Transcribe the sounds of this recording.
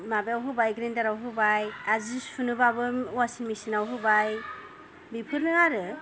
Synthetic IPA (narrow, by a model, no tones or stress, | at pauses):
mabeawɦɯbajɡɾendaɾawɦɯbajazispʰunɯbabɯwasinmisinawɦɯbaj | bipʰɯɾnɯaɾɯ